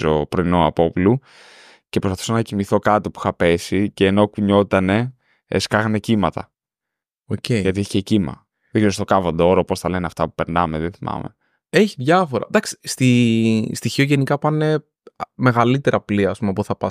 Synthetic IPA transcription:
zo̰pɾoinoɐ̰po̞plu | cepɾospɐθu̥sɐnɐcimiθo̞kɐt̪opu̥xɐpe̞siceːno̞kuɲo̞t̪ɐne̞ | ḛskɐɣɐne̞cimɐt̪ɐ̰ | ocejʝɐt̪ieçcecimɐ̰ | ðeɡzeɾost̪okɐvond̪o̞ɾoposθɐleneɐft̪ɐpu̥pe̞ɾnɐmeðeθimɐ̰mḛ | eçiðʝɐfoɾɐ̰d̪ɐksi̥st̪ist̪içioʝe̞nikɐpɐne | me̞ɣɐlit̪e̞ɾɐpliɐspumeɐpoθɐpɐ

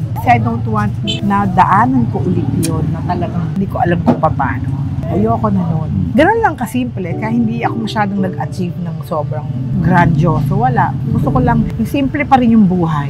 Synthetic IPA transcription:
ɐsɛɐjd̪ownt̪want̪̚nɐd̪ɐʔaːnɐnkoʔʊlɪt̪̚jonːɐt̪ɐlɐɡaŋhɪnd̪iːkoʔɐlamkopɐpa̰ːnoʔɐjokonɐnonɡɐno̞nlɐŋkɐsimplɛkɐjaʔhɪnd̪iɐko̞mɐʃaːd̪oŋnɐɡʔɐt͡ʃivnɐŋsoːbɾɐŋɡɾad͡ʒosowɐlaʔɡʊst̪okolɐŋsimplɛpɐɾɪnjʊŋbuːɦɐj

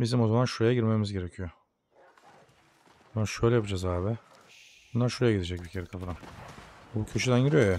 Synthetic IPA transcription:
bizimo̞zamanʃuɾejaɟiɾmemizɟe̞ɾecʰijo | anʃøjlʲɛjapʰɯd͡ʒazaːβɪ | bunlˠaɾʃuɾejaɟiɾid͡ʒɛc̚bicʰeɾikʰafɯɾan | bucʰø̞ʃyd̪ænjiɾijo̞ja

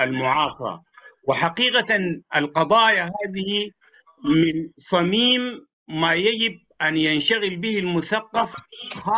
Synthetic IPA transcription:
ʔalmʊʕɑːsˤɑ̰ | wɪħaqiːqaaʔalqɑd̪ˤɑːjaɦaːðɪhi | mɪnsˤɑmiːmː | aːjad͡ʒɪb̚ʔanjanʃaɣɪlbɪhilmʊθaqːɑfha

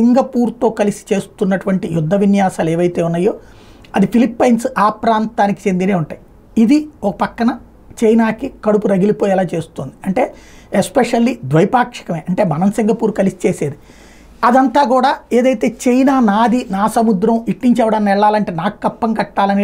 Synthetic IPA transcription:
iŋɡɐpuːɾt̪o̞ːkɐlisi̥t͡ʃe̞ːst̪unːɐʈuʋɐɳʈijud̪ʱːɐʋinjaːsaːleːʋɐjt̪e̞ːunːɐjːo̞ː | ɐd̪ipʰilipːɐjnsaːpɾaːnt̪aːniki̥t͡ʃe̞nd̪ineːuɳʈaːji | id̪iɔkɐ̥pɐkːɐnɐ | t͡ʃɐjnaːkikɐɽupuɾɐɡilipoːjɛlaːt͡ʃe̞ːsut̪oːnd̪iɐɳʈe̞ː | espeʂɐlːid̪ʋɐjpaːkʂɐ̥kɐmeːʔɐɳʈe̞ːmɐnɐmsiŋɡɐpuːɾukɐlisi̥t͡ʃeːseːd̪i | ɐd̪ɐnt̪aːkuːɽaːeːd̪ɐjt̪e̞ːt͡ʃejnaːnaːd̪ʱinaːsɐmud̪ɾɐmiʈniɲt͡ʃɛʋɐɽɐnːɛɭːaːlɐɳʈe̞ːnaːku̥kɐpːɐŋkɐʈːaːlɐni

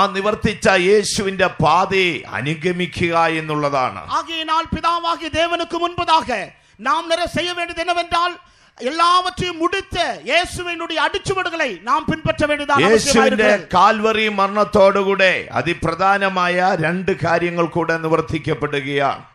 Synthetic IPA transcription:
niʋɐrt̪ːit͡ɕːɐje̞ːɕuʋinde̞paːðeɐ̰nuɡɐmikʲːuɣɐe̞nːuɭːɐða̰ːɳɨ̰aːɣɐjɐnaːlpiðaːʋaːɣid̪eːʋɐnukːɨmunbɐðaːɣɐ | naːmniɾɐsejːɐʋeːɳɖiɐðenːɐʋendaːl | elːaːʋɐʈrɐjumːuɽit̪ːɐje̞ːsuʋinuɽejɐɐɽit͡ɕːuʋɐɽuɣɐɭɐjnaːmpinbɐʈːɐʋeːɳɖiɐðaːjɐe̞ːɐːɕɐjɐuaːʋjiɾnde̞ɐðɨkaːlʋɐrimɐrɳɐt̪ːo̞ːɽukuːɽe̞ɐ̰ðiprɐd̪ʱaːnɐmaːjɐɾe̞ɳɖɨkaːɾjɐŋːɐɭkuːɽe̞niʋɐrt̪ʰikʲːɐpːeɽuɣɐja̰

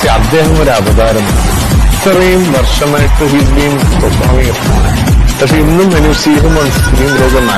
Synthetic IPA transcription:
eɐd̪ːeːɦɐmoɾɐʋɐd̪aːɾɐma̰ː | t̪ːɐrɐjumʋɐrʂɐmaːjiʈːɨɦiːlɐjumɐpobʱa̰ːʋɐjirt̪ʰːɐma̰ːɳ | kɐkʂeinːumːɐnusiːɦɐmɐnɐskuɾijumɾoːɡɐna̰ː

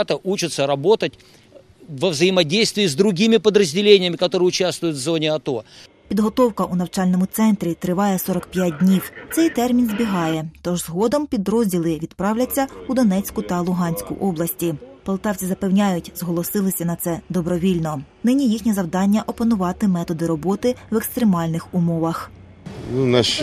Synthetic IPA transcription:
t̪əʔut͡ʃɪt̪səɾɐbo̞t̪ətʲ | vəvzəjɪmɐdʲejst̪vʲɪːzd̪ɾʊɡʲimʲɪpəd̪ɾəzʲdʲɪlʲenʲɪjəmʲɪkɐt̪oɾɨjʊt͡ɕast̪vʊjʊt̪vzonʲɪɐt̪o | pʲid̪ɦɔt̪ɔwkɐʔunɐwt͡ʃɑlʲnɔmʊt̪sɛnt̪ɾʲit̪ɾɪʋɑjɛsɔɾɔkpʲjat̚ʲdʲnʲiwt̪sɛjt̪ɛrmʲinzbʲiɦɑjɛt̪ɔʒzɦɔd̪ɔmpʲid̪ɾɔzʲdʲilˠɪʋʲid̪pɾɑwlʲɐt͡sʲːɐud̪ɔnɛt͡sʲkʊt̪ɐlˠʊɦɑnʲsʲkʊ̰ʔɔblˠɐsʲtʲipɐlˠt̪ɑwt͡sʲizɐpewnʲajʊtʲz̥ɦɔlˠɔsɪlˠɪsʲɐnɐt̪sɛd̪ɔbɾɔʋʲilʲnɔnɪnʲijixnʲizɐwd̪ɑnʲːɐʔɔpɐnʊʋɑt̪ɪmɛt̪ɔd̪ɪɾɔbɔt̪ɪwɛkst̪ɾemɑlʲnɪxʊmɔʋɐx | nunɐʃ

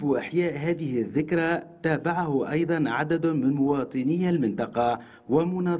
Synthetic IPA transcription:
bʔaħjaːʔɦaːðɪhɪðːɪkɾat̪aːbaʕahʊʔɑjd̪ˤɑnʕad̪ad̪mɪnmʊwɑːt̪ˤɨnɪjːalmɪnt̪ɑqɑ | wamʊnɑː

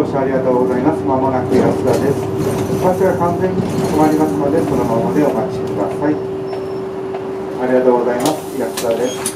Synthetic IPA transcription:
oːɕiaɾʲiɣat̪oːɡo̞zaimasmamonakiiɾasɨd̪ad̪es | sakiaɡakãnzẽ̞ɲ̟ːiat̪omaɾʲimasɨnod̪e̞sonoɦanad̪eomaki̥ɕekɯ̟d̪a̰sai | aɾʲiɡat̪oːɡo̞zaimasɨ̥ɾasɨzad̪es

